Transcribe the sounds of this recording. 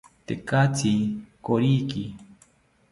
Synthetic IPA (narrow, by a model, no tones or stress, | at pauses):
t̪ekat͡sʰikoɾiki